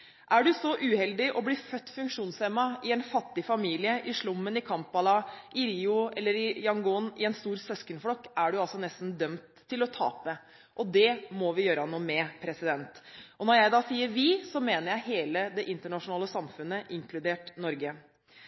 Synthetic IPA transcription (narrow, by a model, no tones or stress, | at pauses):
ʔæɖʉsɔʔʉːhɛld̪ɪʔɔbliːfœt̪ːfʉŋkʂuːnsɛmɑɪɛnfɑt̪ːɪfɑmiːlɪəʔɪʂlʊmːənɪkʰɑmpːɑlɑʔɪɾiːʊɛlːəɾɪjɑŋɡʊnɪɛnst̪uːɾsɛskəɳflɔkːæɖʉɑlsɔnɛst̪n̩d̪œmt̪ʰːɪlɔt̪ʰɑ̰ːpə | ʔɔd̪ɛmɔʋɪjøːɾənuːmɛpʰɾɛsɪd̪ɛnt̪ʔɔnɔɾjæɪd̪ɑːsiːəɾʋɪsɔmeːnəɾjæɪɦeːləd̪ɛʔɪnt̪əɳɑʂʊnɑːləsɑmfʉnːəʔɪŋklʉd̪eːʈnɔɾɡə